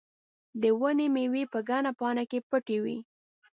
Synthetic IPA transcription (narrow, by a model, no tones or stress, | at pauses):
d̪əwənimewipəɡɑnapɑnakepəʈewḭ